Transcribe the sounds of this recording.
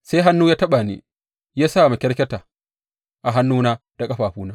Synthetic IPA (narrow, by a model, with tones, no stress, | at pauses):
se˦ɦa˦nːuː˦jaː˦tɐ˦ɓaː˨nḭ˦ | jaː˦sa˦˨ma˨kʲɛ˦ɽkʲɛ˦taː˨ | ʔa˨ɦa˦nːuː˦naː˦ | d̥a˨kʼɐ˦ɸaː˨ɸuː˦naː˦